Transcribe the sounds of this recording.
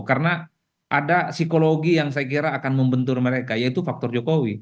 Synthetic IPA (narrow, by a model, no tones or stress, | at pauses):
karna | ʔadasikoloɡijaŋs̬ajak̬iɾaːkanməmbənt̪ʊrməɾekajait̪ufak̚t̪ɔrd͡ʒokowi